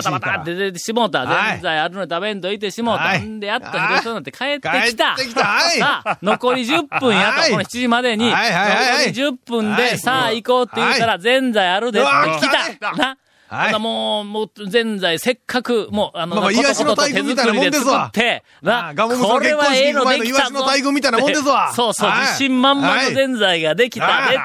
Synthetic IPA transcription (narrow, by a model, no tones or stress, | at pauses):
aat̪at̪ːet̪eɕimo̞ːt̪azẽnd͡zaiaɾɯ̟nod̪et̪aβẽ̞nt̪o̞it̪̬e̞ɕimoːt̪ːãnd̪e̞jat̪ːaçit̪osonat̪ːekʰae̞t̪ːe̞ki̥t̪aɾano̞ko̞ɾʲiʑɯpːɯ̟̃ɰ̃jat̪okooçi̥t͡ɕiʑimad̪e̞ɲ̟iookoɾiʑɨpːɯ̟̃nd̪e̞saːiko̞ːt̪ːejɯt̪aɾazẽ̞nd͡zaiaɾɯd̪eskʲit̪ana | namo̞ːmoːzẽ̞nd͡zaise̞kʰːakɯ̟moːanonnot̪ot̪ezɨkɯɾid̪ed̪ɨsɯt̪ʰːe̞ | ɡakoɾe̞βaeːnod̪ekiaoaiɡɯmit̪and̪esso̞ːso̞ːd͡ʑiɕĩmːãmːanozẽ̞nd͡zaiɡad̪e̞kʲi̥t̪ad̪e